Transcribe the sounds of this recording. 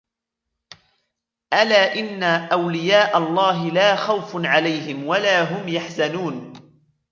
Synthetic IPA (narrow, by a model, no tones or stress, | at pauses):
ʔalaːʔɪnːaʔawlɪjaːʔalˤːɑːɦɪlaːxawfnʕalajɦɪmwalaːɦʊmjaħzanuːn